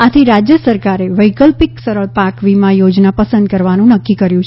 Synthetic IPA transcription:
at̪ʰiɾad͡ʒjəsəɾkaɾeʋəjkəlpiksəɾəɭpakʋimãjod͡ʒnapəsə̃nd̪̚kəɾʋanũnəkːikəɾjũt͡ʃʰ

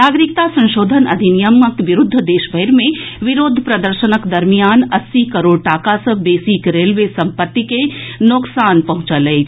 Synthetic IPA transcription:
naːɡɾɪkt̪asɐ̃nʃoːd̪ʱənɐ̰d̪ʱinijəməkʋɪɾʊd̪ʱːəd̪eːʃbʱəjɾmẽʋɪɾoːd̪ʱpɾɐd̪əɾʃənəkd̪ɐɾmijaːnɐsːikɐɾoːɽʈaːkasɐbeːsikɾeːlʋesɐ̃mpət̪ːikenoksaːnpɐɦʊ̃t͡ʃəleː

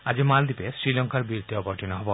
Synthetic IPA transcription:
ad͡ʑimald̪ipesɾilɔŋkaɾbiɾt̪iɔpɔɾʈinɔɦɔbo

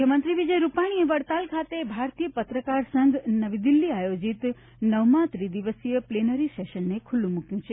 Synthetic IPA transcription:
kʰjəmənt̪ɾiʋid͡ʒəjɾupaɽ̃ieʋəɽt̪alkʰat̪ebʱaɾt̪ijəpət̪ɾəkaɾsə̃ŋɡnəʋid̪ilːiajod͡ʒit̪ | nəʋmãt̪ɾid̪iʋəsijəplenəɾiseʃənːekʰulːũmukjũt͡ʃʰe

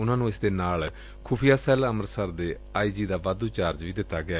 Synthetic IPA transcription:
ʊnãːnũːɪsd̪eːnaːl | kʰʊpʰijaːsɛːləməɾsəɾd̪eː | aːiːd͡ʒiːd̪aːʋaːd̪ũːt͡ʃaːɾd͡ʒʋiːd̪ɪt̪ːaːɡɪaː

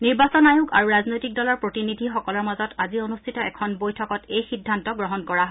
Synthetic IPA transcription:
niɹbasɔnajukaɹuɹaznojtik̚dɔlɔɹpɹotinidʱixɔkɔlɔɹmazɔtʰazionustʰitɔɛkʰɔnbojtʰɔkɔtejxidʱːantɔɡɹɔɦɔnkɔɹaɦɔ

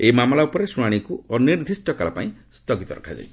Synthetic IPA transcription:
emamɔlaupɔɾesuɽ̃aɽ̃ikuʔɔniɾd̪ʱisʈɔkalapa̰ĩst̪ʰɔɡit̪ɔɾa̰kʰad͡ʒa̰j

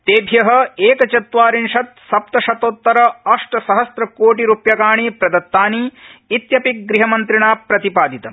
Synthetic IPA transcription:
t̪eːbʱjɐɦɐ̆eːkɐt͡ʃɐt̪ʋaːɾinʂɐt̪̚sɐp̚t̪ɐʃɐt̪oːt̪ːɐɾɐɐʂʈɐsɐɦɐsɾɐkoːʈiɾuːpjɐkaːɳipɾɐd̪ɐt̪ːaːniːt̪jɐpik̚ɡɾiɦɐmɐnt̪ɾiɳaːpɾɐt̪ipaːd̪it̪ɐ

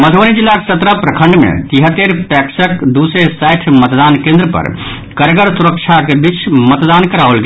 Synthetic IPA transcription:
məd̪ʱonid͡ʒilːake̥sət̪ɾəpɾəkʰə̃ɳɖmḛt̪iɦət̪ːeɾpɛksəkd̪usesaɪʈʰmət̪d̪ankẽnd̪ɾəpə̰ɾ | kəɾɡəɾsuɾək̚t͡ʃʰakebit͡ʃʰmət̪d̪ankəɾaʋəlɡe

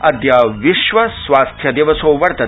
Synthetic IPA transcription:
ɐd̪jaːʋiʃʋɐsʋaːst̪ʰjɐd̪eːʋɐsoːʋɐɾt̪ɐ

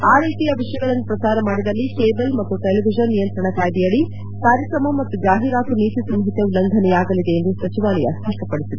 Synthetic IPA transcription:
aːɾeːt̪ijɐʋiʂjɐɡɐɭɐnːupɾɐsaːɾɐmaːɽid̪ɐlːikeːbɐlmɐt̪ːuʈeliʋid͡ʒɐnːijɐnt̪ɾɐɳɐkaːjd̪ijɐɭi | kaːɾjɐkɾɐmɐmɐt̪ːud͡ʒaːɦiɾaːkuniːt̪isɐmɐɦit̪jɐʋilɐnd̪ʱɐnɛjaːɡɐlid̪e̞ːnd̪usɐt͡ʃiʋaːlɛjɐ̰st̪ʰɐʈːɐpɐɽisid̪u

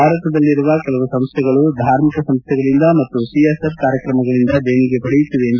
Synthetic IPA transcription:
aːɾɐt̪ɐd̪ɐlːiɾuʋɐkɛlɐʋusɐmst̪ʰɛɡɐɭud̪ʱaːɾmikɐsɐmst̪ʰːɛɡɐɭind̪ɐmɐt̪ːusiesep̚kaːɾjɐkɾɐmɐɡɐɭind̪ɐbeːniɡe̞bʱɐɭijut̪ːuʋeːnd̪

